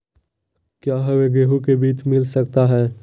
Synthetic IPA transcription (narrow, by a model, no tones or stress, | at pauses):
kjaːɦɐweɡeːɦukebiːt͡ʃmɪlsɐk̚t̪aɦɛː